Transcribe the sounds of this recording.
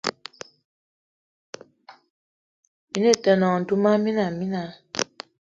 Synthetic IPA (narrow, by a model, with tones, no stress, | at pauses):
mi˨˦ne˦˨tɛ˨nɔ˨du˦ma˦mi˦na˨mi˦na˨˦